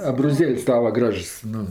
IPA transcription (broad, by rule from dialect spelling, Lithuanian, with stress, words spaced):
ɐbroːˈzʲeːlʲsʲ ˈtɑːʋɐ ˈɡrɐʃs ˈnʊ